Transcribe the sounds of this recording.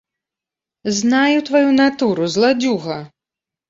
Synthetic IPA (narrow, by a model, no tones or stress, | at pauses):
znajut̪vajunat̪uɾuzlˠad͡zʲuɣɐ